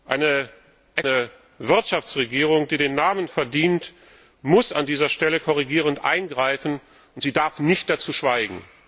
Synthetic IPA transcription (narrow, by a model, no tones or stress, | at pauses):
ʔaɪnə | ʔɛnə | vɪɐtʃaft͡sʁ̥eɡiːʁʊŋd̥iːdeːnːaːmənfɛɐdiːnt | mʊsa̰ndiːzɐʃtɛləkʰɔʁ̞iɡiːʁ̞əntʔa̰ɪnɡʁaɪfn̩ | ʊntz̥iːdaɐfnɪçt̚d̥at͡suːʃv̥aɪɡŋ̩